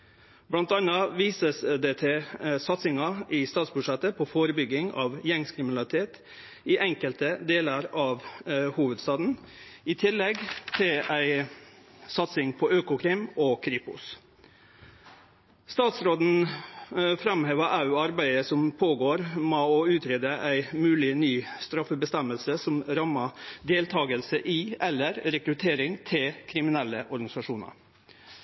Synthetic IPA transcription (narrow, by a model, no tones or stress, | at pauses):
blɑnt̪ɑnɑʋiːsəsd̪ɛt̪ʰɛsɑt̪sɪŋɑʔɪst̪ɑːt̪sbʉʂɛt̪ːəpʰɔfoːɾəbʏɡɪŋɑ̰ʋjɛŋskʰɾɪmɪnɑlɪt̪ʰeːt̪ | ɪʔɛŋkəlt̪əd̪eːləɾɑʋhuːʋəd̪st̪ɑːd̪n̩ɪt̪ʰɪlːɛɡt̪ʰɪlæɪ | sɑt̪sɪŋpʰɔøːkʊkʰɾɪmɔkʰɾɪpʊ̰s | st̪ɑːt̪sɾoːd̪n̩ | fɾɑmheːʋəʔɑʉːɑɾbæɪəsɔmpʰoːɡoːɾmoɔʉːt̪ʰɾeːd̪əʔæɪmʉːlɪnyːst̪ɾɑfəbəst̪ɛməlsəsɔmɾɑmɑd̪eːlt̪ʰɑːɡəlsəʔɪɛlːəɾɾɛkɾʉt̪ʰeːɾɪŋt̪ʰɪlkʰɾɪmɪnɛlːəʔɔɾɡɑnɪsɑʂuːnɑ̰ɾ